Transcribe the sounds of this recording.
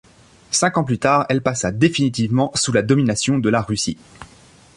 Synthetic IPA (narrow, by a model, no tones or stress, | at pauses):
sɛ̃kɑ̃plyt̪aːʁɛlpasad̪efinit̪ivmɑ̃sulad̪ɔminasjɔ̃d̪əlaʁysi